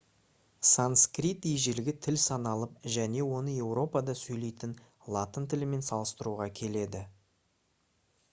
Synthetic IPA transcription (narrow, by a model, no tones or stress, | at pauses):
sanskrʲit̪ijʒelɡʲɪt̪ʰɪlsɑnɑlˠəp̚ʒæne̞wo̞nəje̞wro̞pɑd̪ɑsɵjle̞jt̪ɪn | lˠɑt̪ənt̪ʰɪlɪme̞nsɑlˠəst̪əɾuʁɑkʲʰe̞le̞d̪ɪ